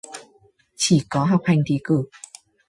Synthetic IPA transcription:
t͡ɕʰi˧˩kɔ˨˦ɦa˨˩k͡p̚ha˧jŋt̪ʰi˨˦kɨ˧˩

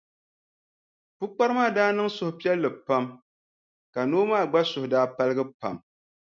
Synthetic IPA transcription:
pu˦k͡pa˦ɾɨ˦maː˦˨daː˦nɨ˦ŋsʊ˨hʊ˨pi˦ɛ˦lːɨ˨pa˦m | ka˨noː˦maː˦˨ɡ͡ba˦sʊ˨hʊ˨daː˦pa˦lɨ˦ɡɨ˦pa̰˨m

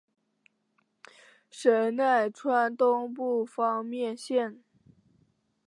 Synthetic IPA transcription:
ʂə˧˥na˥˩ɪʈ͡ʂʰwa˥nt̪ʊ˥ŋpu˥˩fɑ˥ŋmjɛ˥˧nɕjɛ˥˩n

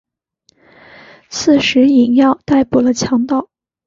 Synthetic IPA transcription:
t͡sʰɹ̩˥˩ʂɻ̩˧˥i˨˩njɑ˥˧ʊt̪a˥˩ɪpu˨˩lə˦t͡ɕʰjɑ˧˥ŋt̪ɑ˥˩ʊ

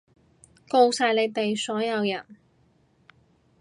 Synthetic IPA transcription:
ko˥˧wsaː˨˧jle˨˧jt̪e˨jsɔː˨˥jɐ˨˧wjɐ̰˨˩n

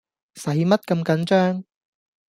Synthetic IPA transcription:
sɐ˨˥jmɐ˥t̚kɐ˧mkɐ˨˥nt͡ʃœː˥ŋ

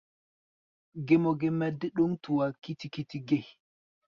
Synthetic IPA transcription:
ɡɛ˨mɔɡɛmadːɛ˦ɗu˦ntu˨wa˨ki˦tiki˦tiɡe˦h

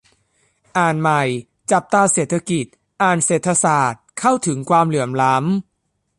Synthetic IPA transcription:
ʔaː˨˩nma˨˩j | t͡ɕa˨˩p̚t̪aː˧seː˨˩t̪ʰːa˧ki˨˩t̪̚ | ʔaː˨˩nseː˨˩t̪ʰːa˧saː˨˩t̪̚kʰa˥˩wt̪ʰɯ˩˦ŋkwaː˧mlɯ˩˦əmla˦˥m

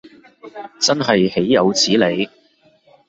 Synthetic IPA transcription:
t͡sɐ˥nɦɐ˨jhe˨˥jːɐ˨˧wt͡sʰiː˨˥le˨˧j

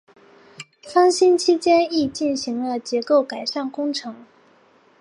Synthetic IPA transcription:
fɑ˥ŋɕi˥nt͡ɕʰi˥t͡ɕjɛ˥ni˥˧t͡ɕi˥˩nɕi˧˥ŋlə˧t͡ɕjɛ˧˥ko˥˩ʊka˨˩ɪʂa˥˩nkʊ˥ŋʈ͡ʂʰɤ˧˥ŋ

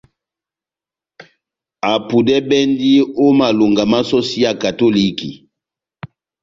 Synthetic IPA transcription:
a˨pu˨dɛ˦bɛ˦ndi˦o˦ma˨lo˨ŋɡa˨ma˦so˦si˦ja˨ka˨to˦li˦kḭ˨

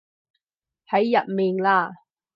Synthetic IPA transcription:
hɐ˨˥jːɐ˨t̚miː˨˩nlaː˧

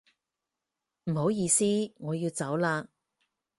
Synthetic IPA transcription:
m̩˨˩ɦo˨˥wjiː˧siː˥ŋɔː˨˧jiː˧wt͡sɐ˨˥wlaː˧

